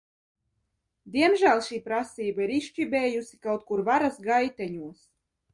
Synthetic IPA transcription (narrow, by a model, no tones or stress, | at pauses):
d̪ʲiɛmʒælˠʃiːpɾasiːbaiɾiʃt͡ʃibʲɛːjusʲikawt̪̚kuɾvaɾasɡajt̪ʲɛɲuɔs